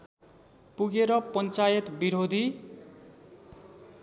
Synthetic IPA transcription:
puɡeɾʌpʌnt͡sajʌt̪biɾod̪ʱi

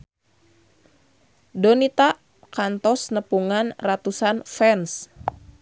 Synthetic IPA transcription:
dɔnit̪aʔ | kant̪ɔsnəpuŋanrat̪usanfɛns

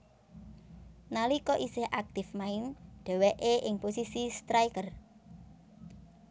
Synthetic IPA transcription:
nalikɔʔisɪhʔak̚t̪ɪfmaɪnɖ̪̥ɛ̤wɛʔeʔɪŋposisist̪ɾajkər

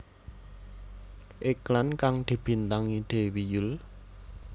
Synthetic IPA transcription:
ʔeklankaŋd̪̥i̤b̥i̤nt̪aŋid̪̥e̤wijʊl

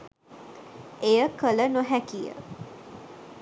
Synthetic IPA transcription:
ejəkələnoɦækijə̰

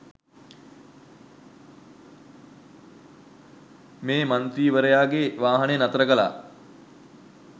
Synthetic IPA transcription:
meːmant̪ɾiːʋəɾəjaːɡeʋaːɦɐnenat̪əɾəkəla̰ː

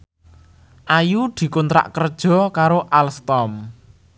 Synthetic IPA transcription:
ʔajud̪̥i̤kunt̪ɾa̰ʔkərd̥ʒ̥ɔ̤kaɾoʔalst̪ɔm

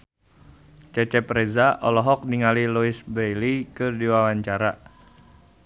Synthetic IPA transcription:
t͡ʃɛt͡ʃɛpɾɛzaʔɔlɔɦɔk̚niŋaliluisbejlikɨrdiwawaɲt͡ʃaɾa

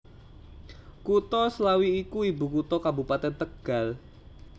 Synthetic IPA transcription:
kut̪ɔslawiːkuibukut̪ɔkabupat̪ɛnt̪əɡ̥a̤l

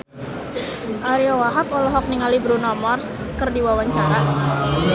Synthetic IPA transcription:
ʔaɾiowaɦapɔlɔɦɔk̚niŋalibɾunɔmɔrs | kərdiwawaɲt͡ʃaɾa

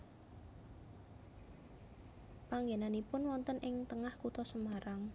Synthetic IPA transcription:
paŋɡenanipʊnwɔnt̪ənʔɪŋt̪əŋahkut̪ɔsəmaɾaŋ

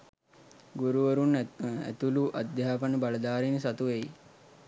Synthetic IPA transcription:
ɡuɾuʋəɾunæ̰t̪uluʔad̪jaːpanəbaləd̪aːɾinəsat̪uʋei

